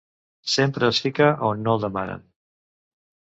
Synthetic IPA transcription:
sempɾəːsfikəʔonːolˠd̪əmanə̰n

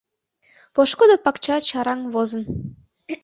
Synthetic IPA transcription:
poʃkod̪opɑkt͡ɕɑt͡ɕɑɾɑŋβozə̆n

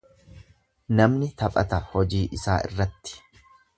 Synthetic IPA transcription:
nɐmnɪt̪ɐpʼɐ̰t̪ɐhɔd͡ʒiːʔɪsaːɪ̰rːɐt̪ːɪ̥

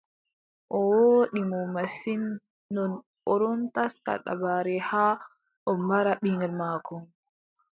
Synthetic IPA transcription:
ʔɔwoːɗimɔmasinː | ɔn | ɔɾɔntaska̰ɗa̰baɾɛhaː | ʔɔmbaɾaɓiŋɡɛlmaːkʰɔ

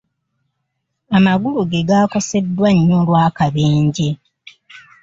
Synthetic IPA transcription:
amaɡuluɡe̞ɡaːko̞se̞dːwaɲːolwaːkaβeːɲɟe̞

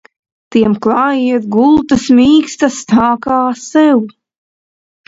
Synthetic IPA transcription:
t̪iɛmklˠɑːjiɛt̪ɡulˠt̪asmʲiːkst̪ast̪aːkaːsɛw

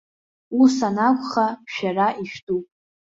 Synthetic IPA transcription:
usanakʷʼχaʃᶣaraʔiʃᶣdupʼ

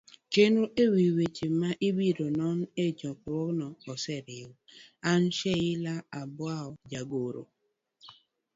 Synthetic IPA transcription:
kenuʔewiwet͡ʃimmaʔibiɾonɔn̩ed͡ʒɔkɾɔnɔɔsɛɾɪwan̩ʃeɣɪlaabʊaʊd͡ʒaɡoɾo̰

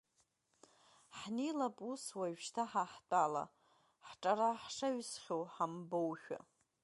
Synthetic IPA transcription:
ħnilapʼuswaɥʃtʰaħaħt͡pʼala̰ | ħʈ͡ʂʼaɾaħʂaɥsχʲowħambowʃᶣa̰

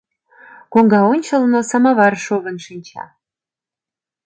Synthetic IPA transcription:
koŋɡɑonʲt͡ɕə̆lˠnŏsɑmɑβɑrʃoβə̆nʃinʲt͡ɕʰɑ̰

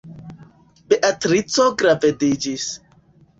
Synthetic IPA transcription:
beʔatɾit͡soɡɾavedid͡ʒis

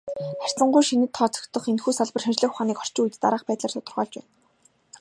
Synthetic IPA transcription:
χær̥ʲt͡sə̆ɴɢʊjʃinɘ̆t̪ʰːɔːt͡sʰœ̥kt̪ɞ̆χenxuːsaɮpə̆rʃant͡ɕɮə̆xχʊχaːniːkχɔr̥t͡ɕɪujt̪t̪a̰ɾaːχpæːt̪ɮaːrt̪ʰʊt̪ɞ̆rʁɔːɮt͡ɕpæːn

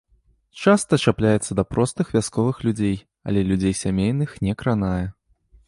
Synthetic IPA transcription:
t͡ʂast̪ɐt͡ʂaplʲajɛt̪sːɐd̪ɐpɾɔst̪ɨxvʲaskɔvɨxlʲud͡zʲej | ɐ̰lʲɛlʲud͡zʲejsʲamʲejnɨxnʲɛkɾanajɛ

